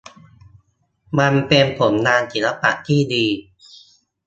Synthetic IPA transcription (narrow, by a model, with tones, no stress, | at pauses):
ma˧npe˧npʰo˩˦mnaː˧nt͡ɕi˨˩˦la˧pa̰˨˩ʔt̪ʰiː˥˩diː˧